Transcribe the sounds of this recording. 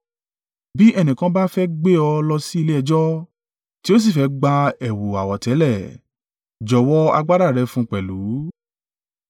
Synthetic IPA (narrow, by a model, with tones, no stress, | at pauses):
bi˦ʔɛ˦˨nĩ˨kã˧˦ba˦fɛ˦ɡ͡be˦ɔ˧lɔ˧si˦i˧le˦ɛ˧d͡ʒɔ˦ | ti˦o˦s̬i˦˨fɛ˨˧˦ɡ͡ba˧ɛ˨wu˨a˨wɔ˨tɛ˨˦lɛ˦˨ | d͡ʒɔ˨wɔ˦a̰˧ɡ͡ba˦ɾa˦˨ɾɛ˧fũ˦k͡pɛ˨lu˨˦